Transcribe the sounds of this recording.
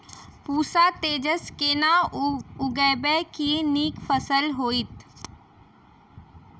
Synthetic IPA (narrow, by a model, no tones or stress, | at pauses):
puːsaːt̪eːd͡ʒəskeːnaʊɡɛːbɛːkieniːkfəsəlɦoːit̪